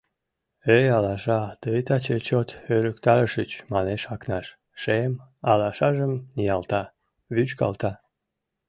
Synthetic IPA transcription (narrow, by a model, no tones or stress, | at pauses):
øjɑlɑʃɑt̪əjt̪ɑt͡ɕet͡ɕot̪øləkt̪ɑɾəʃət͡ɕmɑneʃɑknɑʃ | ʃemɑlɑʃɑʒəmnijɑlt̪ɑ | βyt͡ɕkɑ̰lt̪ɑ